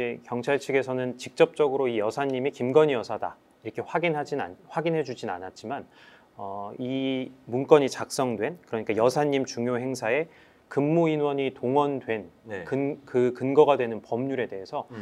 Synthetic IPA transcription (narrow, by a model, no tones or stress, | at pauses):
e̞kjʌŋt͡ɕʰaɭt͡ɕʰiɡe̞sʰʌnɯnt͡ɕik̚t͡ɕ͈ʌp̚t͡ɕ͈ʌɡɯɾoijʌsʰaɲːimekimɡʌɲijʌsʰada̰ | iɾʌkʰe̞waɡinad͡ʑiaɸwaɡinɦe̞d͡ʑud͡ʑina̰nat̚t͡ɕ͈iman | ʌimunk͈ʌɲit͡ɕak̚s͈ʌŋdwe̞nkɯɾʌɲik͈ajʌsʰaɲːimt͡ɕuŋjoɦe̞ŋsʰae̞ | kɯmːuinwʌɲitoŋwʌndwe̞nkɯnkɯkɯnɡʌɡadwe̞nɯnpʌmɲuɾe̞de̞ɦe̞sʰʌ